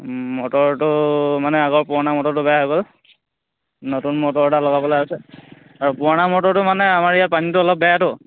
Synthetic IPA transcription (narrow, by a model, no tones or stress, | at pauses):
mɔtɔɹtʊmanɛaɡɔɹpʊanamɔtɔɹtʊbɛjaɦɔɡɔl | nɔtunmɔtɔɹtalɔɡapɔlajasɛ | aɹupʊɹanamɔtɔɹtʊmanɛamaɹijapanitʊɔlɔp̚bɛjatʊ